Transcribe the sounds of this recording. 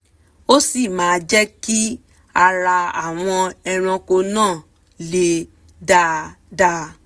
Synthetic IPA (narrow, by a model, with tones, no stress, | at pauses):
o˦si˦˨mãː˨˦d͡ʒɛ˦ki˦ | a˧ɾa˧a˨w̃ɔ̃˧ɛ˧ɾ̃ɔ̃˧ko˧nãː˦˨ | le˧˦ | da˦ | da˦